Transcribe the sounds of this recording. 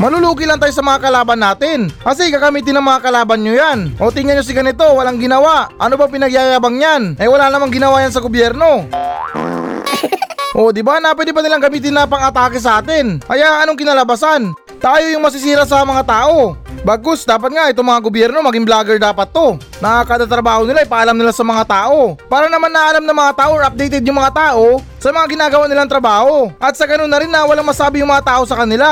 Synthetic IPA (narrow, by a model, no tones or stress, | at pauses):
mɐluluːkɪlant̪aːjosɐmɐŋakɐlaːbɐnːaːt̪ɪnkɐsɛkaɡɐmiːt̪̬ɪnɐŋmɐŋakɐlaːbɐnɲojanʔo̞t̪ɪŋanɲos̬ɪɡɐnɪt̪o̞wɐlaŋɡɪnɐwaʔʔɐnobɐŋpɪnɐɡjajaːbɐŋɲanʔɐjwɐlanɐmaŋɡɪnɐwajans̬ɐɡobjɛɾno̞ | ʔo̞d̪ɪbanɐpwɛd̪ɪpɐnɪlaŋɡɐmiːt̪̬ɪnːɐpɐŋɐt̪aːkɪs̬ɐʔaːt̪ɪnkɐjaɐnoŋkɪnalɐbasan | t̪aːjo̞jʊŋmɐs̬ɪs̬iːɾɐsɐmɐŋat̪aːʔo̞baːɡ̚kosd̪aːpɐt̪̚ŋaʔɛt̪oŋmɐŋaɡobjɛɾno̞mɐɡiŋblaːɡɛɹd̪aːpɐt̪ːo̞ | nɐʔakad̪at̪ɾɐbaːho̞nɪlaɐjpaʔɐlamnɪlasɐmɐŋat̪aːʔo̞paːɾɐnɐmanːɐʔɐlamnɐŋmɐŋat̪aːʔoʔɐp̚d̪ɛjt̪ɛd̪̚jʊŋmɐŋat̪aːʔo̞ | sɐmɐŋaɡɪnaːɡɐwanɪlaŋt̪ɾɐbaːho̞ʔɐt̪̚sɐɡɐnonːɐɾɪnːɐwɐlaŋmɐsaːbɪjʊŋmɐŋat̪aːʔo̞sɐkɐnɪla